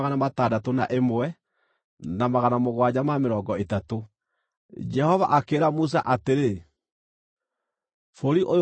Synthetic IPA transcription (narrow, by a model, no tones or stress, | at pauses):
ɣanamataːdatona̰ʔemoɛ | namaɣanamoɣwad͡ʑamameɾɔːɡɔetato | d͡ʒɛhɔva̰ʔakeːɾamus̬aʔateɾe | foɾiʔo